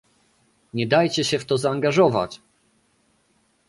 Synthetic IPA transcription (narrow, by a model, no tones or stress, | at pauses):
ɲɛd̪ajt͡ɕɛɕɛft̪ɔzaːŋɡaʐɔva̰t͡ɕ